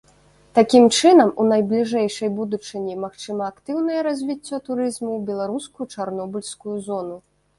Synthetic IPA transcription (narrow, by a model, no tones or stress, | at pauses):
t̪akʲimt͡ʂɨnɐmunɐjblʲiʐɛjʂɐjbud̪ut͡ʂɨnʲimaxt͡ʂɨmɐːkt̪ɨwnɐjɛɾazʲvʲit͡sʲːɔt̪uɾɨzmuwbʲɛlˠaɾuskujut͡ʂarnɔbulʲskujuzɔnu